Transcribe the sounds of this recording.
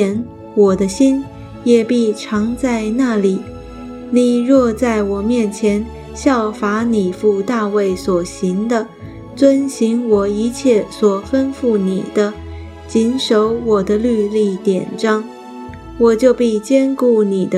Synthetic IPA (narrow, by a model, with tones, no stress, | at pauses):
ɛ˧˩n | wɔ˨˩d̪ə˦ɕi˥n | jɛ˨˩pi˥˩ʈ͡ʂʰɑ˧˥ŋt͡sa˥˧ɪna˥˩li˨˩˦ | ni˨˩ɻwɔ˥˧t͡sa˥˩ɪwɔ˨˩mjɛ˥˩nt͡ɕʰjɛ˧˥n | ɕjɑ˥˩ʊfa˧˥ni˨˩fu˥˩t̪a˥˧we˥˩ɪswɔ˨˩ɕi˧˥ŋd̪ə˧ | t͡swə˥nɕi˧˥ŋwɔ˨˩i˧˥t͡ɕʰjɛ˥˩swɔ˨˩fə˥nfu˥˩nḭ˨˩d̪̥ə˦ | t͡ɕi˧˥nʂo˧˥ʊwɔ˨˩d̪ə˦ly˥˧li˥˩t̪jɛ̰˨˩nʈ͡ʂɑ˥ŋ | wɔ˨˩t͡ɕjo˥˧ʊpi˥˩t͡ɕjɛ˥nku˥˩ni˨˩d̪ə˦